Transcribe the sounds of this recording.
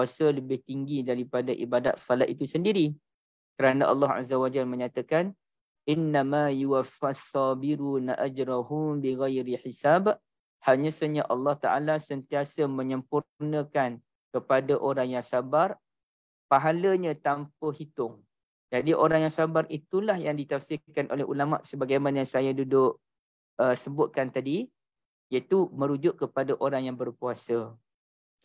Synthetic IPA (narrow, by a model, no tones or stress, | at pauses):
asələbɪht̪iŋɡidaɾipadaʔibada̰t̪̚sɔlat̪̚it̪usəndiɾi | kəɾanaʔɑ̰lːɑɦa̰zawad͡ʒalmə̃ɲat̪akan | ʔɪnːamajuwafasːɑbiɾuːnaʔad͡ʒɾaɦunbiɣajɾiħisab | haɲə̃səɲaʔɑlːɑht̪a̰ʔa̰lasənt̪iasəmə̃ɲəmpunə̃kan | kəpadaʔoɾaŋjaŋsabar | paɦaləɲə̃t̪ampəhit̪ʊŋ | d͡ʒadiʔoɾaŋjaŋsabarit̪ulahjaŋdit̪afsɪkanʔo̰lɛɦṵlama̰ʔsəbaɡajmanəjasajadudʊʔ | əsəbʊt̪̚kant̪adi | jait̪umə̃ɾud͡ʒʊʔ̚kəpadaʔoɾaŋjaŋbərpuasə